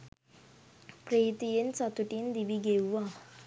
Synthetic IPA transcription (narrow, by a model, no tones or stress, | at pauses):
pɾeit̪ijent͡sat̪uʈind̪ibiɡewʋa